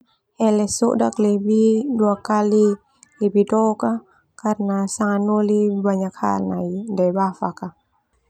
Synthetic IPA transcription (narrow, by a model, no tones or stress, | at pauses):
ɛlɛso̰ʔdaklebiduakali | libidɔka | karnasaŋanolibaɲakha̰lna̰jndajbafaka